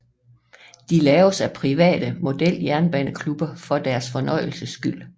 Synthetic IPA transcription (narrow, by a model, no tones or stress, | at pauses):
d̥ilɛːʊsæpʰʁiʋɛ̰ːd̥əmo̝d̥el̰jæɐnb̥ɛnəkʰlub̥ɐfɒ̽d̥æɐsfɒ̽nɒ̽ɪ̰l̩səsɡ̥yl̰